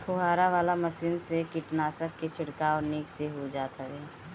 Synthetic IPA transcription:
pʰʊɦaːɾaʋaːlamɐsiːnsekɪʈnaːsəkːet͡ʃʰɪɽkaɔːniːkseɦod͡ʒaːt̪akɛː

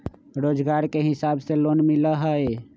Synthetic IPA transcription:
ɾoːd͡ʒɡaːɾkeɦɪsaːbseloːnmɪləɦəe

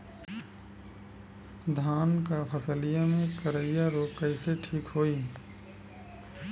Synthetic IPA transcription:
d̪ʱaːnkapʰəsəlijamẽkəɾəɪjaɾoːkkəɪseʈʰiːkɦoːiː

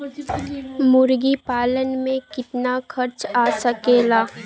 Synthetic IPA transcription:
mʊɾɡipaːlənmẽkɪt̪naxʰɐɾt͡ʃaːsəkeːlaː

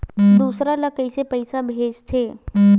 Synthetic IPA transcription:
d̪uːsɾalɐkəɪsepəɪsabʱeːd͡ʒt̪ʰeː

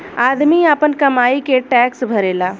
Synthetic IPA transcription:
aːd̪miapənkɐmaːikeʈɛːksbʱɐɾeːlaː

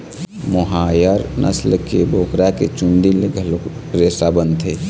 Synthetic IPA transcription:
moɦajəɾnʔə̰slkebʱoːkɾaket͡ʃund̪ileɡʱlɾeːsabənt̪ɦe

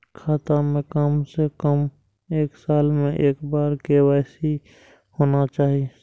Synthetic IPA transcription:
kʰaːt̪amẽkamsekəm | eːksaːlmẽʔeːkbaːɾkewaːɪsi | hoːnat͡ʃaːɦi

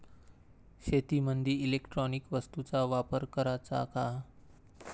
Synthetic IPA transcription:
ɕet̪imənd̪ʱiilekʈɾɔnikʋəst̪ut͡saʋapəɾkəɾat͡sa̰ka

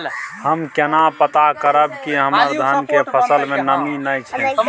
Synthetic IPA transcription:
həmkenapət̪akəɾəbkiɦəməɾd̪ʱənkepʰəsəlmenəminəjt͡ʃʰɛ

